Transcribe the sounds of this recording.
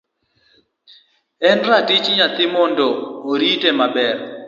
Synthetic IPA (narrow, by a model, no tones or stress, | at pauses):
ɛnratit͡ʃɲat̪ɪmɔndɔoɾitemabɛr